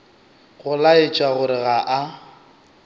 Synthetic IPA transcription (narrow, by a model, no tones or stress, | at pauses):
ɣʊlaɪt͡ʃʼaɣʊɾɪɣaʔa